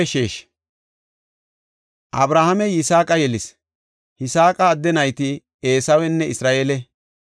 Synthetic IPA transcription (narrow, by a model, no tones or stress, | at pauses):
ʃeːʃ | ʔɐbɾaːhɐmɛjɪsaːkʼɐjɛlɪs | hɪsaːkʼɐːd̪ːɛnɐjt̪ɪ | e̞ːsɐwɛnːɛɪsɾaːʔeːlɛ